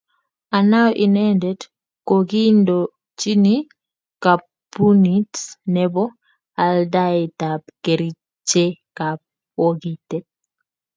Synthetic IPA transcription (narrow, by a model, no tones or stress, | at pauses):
anawʔinɛndɛd | koɡindo | t͡ʃini | kapː | unitnɛbɔ | aldajtap̚keɾi | t͡ʃekap̚ | woɡitɛt̚